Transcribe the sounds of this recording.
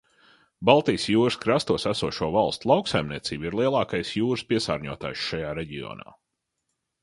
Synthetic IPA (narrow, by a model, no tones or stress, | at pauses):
balˠt̪ijsjuːɾɨskɾast̪uɔsæsuɔʃuɔvalˠst̪lˠɑwksajmniɛt̪siːbiɾlˠiɛlˠɑːkajsjuːɾɨspʲiɛsa̰ːɾɲuɔt̪a̰ːjʃʃajaːɾeɟiɔ̰na̰ː